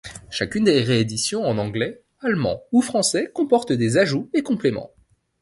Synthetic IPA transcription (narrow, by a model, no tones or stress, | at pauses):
ʃakʲynd̪eʁeːd̪isjɔ̃ɑ̃nɑ̃ɡlɛ | almɑ̰̃ufχɑ̃sɛkɔ̃pɔʁt̪d̪ezaʒuekɔ̃plemɑ̰̃